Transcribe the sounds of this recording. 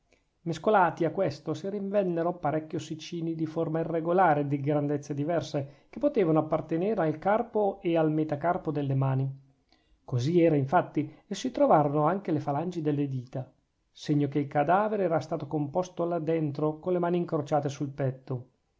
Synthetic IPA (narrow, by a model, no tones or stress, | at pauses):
meskolaːt̪iakːwest̪osiɾiɱvɛnːeɾoapaɾɛkːjosit͡ʃiːnid̪iformairːeɡolaːɾed̪iɡɾand̪et̪sːed̪ivɛrsek̟epːot̪eːvanoapːart̪eneːɾealkarpoealmet̪akarpod̪elːemaːni | koziɛːɾaiɱfat̪ːiesit̪ɾovaːɾonoaŋk̟elefaland͡ʒid̪elːed̪iːt̪a | seɲːokeilkad̪aːveɾeɛːɾast̪aːt̪okompost̪olad̪ːent̪ɾokolemaːniŋkɾot͡ʃaːt̪esulpɛt̪ːo